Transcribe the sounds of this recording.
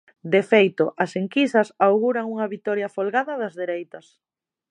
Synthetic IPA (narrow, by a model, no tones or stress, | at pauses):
d̪efejt̪ʊʔɐseŋkisɐsawɣuɾɐŋuŋɐβit̪ɔɾjɐfolɣaðɐðɐzðeɾejt̪ɐs